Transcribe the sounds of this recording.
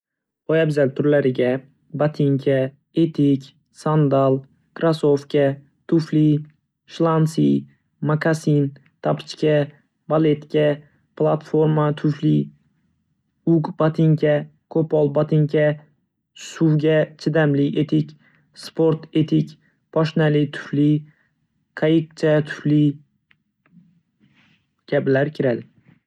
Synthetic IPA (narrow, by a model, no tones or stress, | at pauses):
ojabzalt̪ʰʊɾlaɾɪɡʲa | bat̪ʰɪŋkʲʰa | et̪ʰikʲ | sand̪alˠ | kʰɾasofkʲʰa | t̪ʰʊfli | ʃlˠansi | maɡasin | t̪ʰapʰt͡ʃkʲa | bale̞t̪kʲʰa | plˠat̪fo̞ɾmat̪ʰʊfli | ʊɡbat̪ʰɪŋkʲʰakʰopɒlˠbat̪ʰɪŋkʲʰa | suwɡʲat͡ʃʰɪd̪amlɪet̪ʰɪkʲ | spʰoɾt̪ʰet̪ʰɪkʲ | pʰɒʃnalɪt̪ʰʊ̥fli | kʰajɪk̚t͡ʃʰat̪ʰʊ̥fli | ɡ̥ʲablaɾkʲʰɪɾal